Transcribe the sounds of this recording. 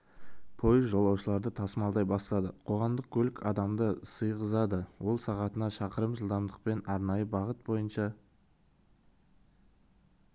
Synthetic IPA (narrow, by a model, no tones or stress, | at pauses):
pʰo̞jəzʒo̞lˠɑwʃəlˠɑɾd̪ət̪ʰɑsəmɑlˠd̪ɑjbɑst̪ɑd̪əqʰo̞ʁɑmd̪əq̚kʲʰɵlɪkʲʰɑd̪ɑmd̪əsəjʁəzɑd̪əwo̞lˠsɑʁɑt̪ənɑʃɑqəɾəmʒəlˠd̪ɑmd̪əq̚pe̞nɑɾnɑjəbɑʁət̪̚bo̞jənʃɑ